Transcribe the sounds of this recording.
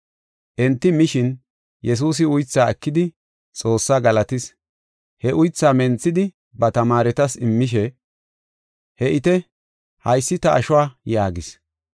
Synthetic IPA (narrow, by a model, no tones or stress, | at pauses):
ʔɛnt̪ːɪmɪʃɪn | jɛs̬uːs̬ɪʊjt͡sːaːɛkːɪd̪ɪ | t͡sʼo̞ːsːaːɡɐlɐt̪ɪs | hɛʔʊjt͡sːaːmɛnt͡sːɪd̪ɪ | bɐt̪ɐmaːɾɛt̪ɐsɪmːɪʃ̬ɛ | hɛʔɪt̪ɛ | hɐjsːɪt̪ɐʔɐʃɔwaːjaːɡɪs